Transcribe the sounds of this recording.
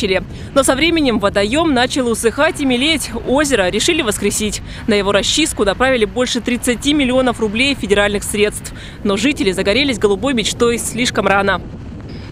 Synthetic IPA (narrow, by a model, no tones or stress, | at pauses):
ɪlʲɪ | no̞sɐvɾʲemʲɪnʲɪmvət̪ɐjo̞mnat͡ɕɪlˠʊsɨxatʲimʲɪlʲetʲozʲɪɾəɾʲɪʂɨlʲɪvəskɾʲɪsʲitʲ | nəjɪvo̞ɾɐɕːis̚kʊnɐpɾavʲɪlʲɪbo̞lʲʂɨt̪ɾʲɪt̪sɨtʲimʲɪlʲɪo̞nəfrʊblʲejfʲɪdʲɪɾalʲnɨxsɾʲe̞t̪st̪f | no̞ʐɨtʲɪlʲɪzəɡɐɾʲelʲɪsʲɡəlˠʊbo̞jmʲɪt͡ɕt̪o̞jsʲlʲiʂkəmranə